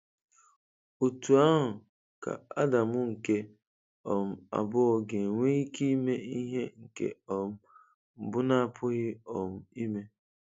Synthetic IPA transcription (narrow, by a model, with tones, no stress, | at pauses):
o˨tu˨a˦ɦʊ˨ | ka̰˨a˦da˨mʊ˦ŋ̩˨ke˦ | ɔ˨m̩˦a̰˨bʊ˦ɔ˨ɡe˨ŋʷe˦i˦ki˦me˦i˦ɦe˦ŋ̩˨kḛ˨ɔ˨m̩˦ | m̩˨bʊ˦na˦a˦pʰʊ˦ɣɪ˦ɔ˨m̩˦i˦me˦